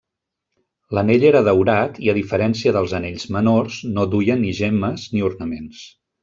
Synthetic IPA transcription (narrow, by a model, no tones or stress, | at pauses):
ləneʎeɾəðəwɾat̪iəðifəɾɛnsiəðəlˠzəneʎzmənorznod̪ujəniʒɛməzniuɾnəmens